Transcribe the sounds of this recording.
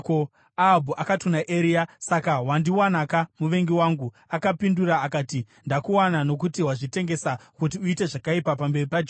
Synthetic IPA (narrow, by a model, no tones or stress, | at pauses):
ko | aːbʱuʔakatunaʔeɾiasakawandiwanakamuʋe̞ŋɡiwaːŋɡu | akapinduɾaːkaːti | ndakuwanano̞k̬utiɦwaʐite̞ŋɡe̞sakut̬iuite̞ʐakaipapambe̞ripad͡ʒ